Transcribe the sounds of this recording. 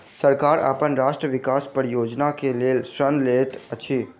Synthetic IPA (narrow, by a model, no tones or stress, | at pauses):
səɾkaːɾa̰pənɾaːʃʈɾəʋɪkaːspəɾjoːd͡ʒnakeleːlʃɾənleːt̪ət͡ʃʰiː